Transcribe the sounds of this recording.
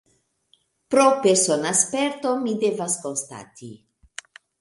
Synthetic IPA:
pɾopeɾsonaspeɾt̪omid̪evaskonst̪a̰t̪i

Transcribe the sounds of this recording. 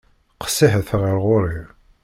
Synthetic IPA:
qə̥sːiħəθʁəɾʁʊɾˤi

